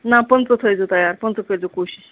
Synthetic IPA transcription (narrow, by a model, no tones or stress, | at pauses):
napənt͡sət̪ʰəjd͡zot̪əjaɾpənt͡sət̪ʰəjt͡səkoɕiɕ